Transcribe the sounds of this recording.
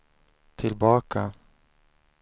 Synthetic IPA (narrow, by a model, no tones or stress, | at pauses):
t̪ʰɪlbɑːka